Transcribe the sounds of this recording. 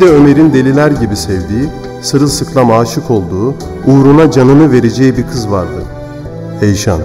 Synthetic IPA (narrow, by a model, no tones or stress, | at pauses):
id̪ɛø̞me̞ɾind̪e̞lʲilʲæɾɟibisɛvd̪iː | sɯɾɯsɯkʰlˠamaːʃɯkʰo̞lˠd̪uː | uːɾunad͡ʒanɯnɯve̞ɾe̞d͡ʒɛjibiɾkʰɯzvaɾd̪ɯ̰ | ejʃa̰n